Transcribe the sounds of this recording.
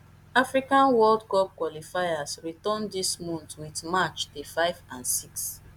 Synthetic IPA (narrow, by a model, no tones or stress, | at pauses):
afɹikãnwɔldkɔp̚kwɔlifajasɹitɔ̃ndismɔ̃ntwidmat͡ʃdefaɪvãnsiks